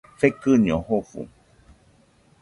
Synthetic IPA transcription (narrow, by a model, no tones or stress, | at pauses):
fekɨɲõhofṵ